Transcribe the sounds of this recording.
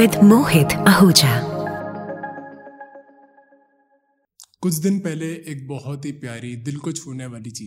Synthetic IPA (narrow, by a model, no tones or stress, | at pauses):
ɪd̪moːɦɪt̪əɦoːd͡ʒa | kʊt͡ʃʰd̪ɪnpɛɦleʔeːk̚bɔɦɔt̪ɦiːpjaːɾid̪ɪlkʊd͡ʒfʰuneʋaːliːt͡ʃiː